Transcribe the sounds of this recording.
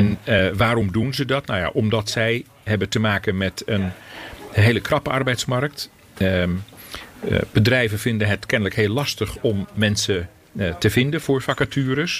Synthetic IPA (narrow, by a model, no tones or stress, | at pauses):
ɛnəʋaːɾɔmdunzədɑtnawja̰ʔɔmdɑtsɛj | ɦɛbətəmaːkənmɛtən | ɦeːləkʰrɑpəɑrbɛjtsmark̚t | b̥ədrɛjvəfɪndənɦətkɛnələkheːlɑstəχɔmːɛnsə | təvɪndənvʊːɹfakatyəɾəs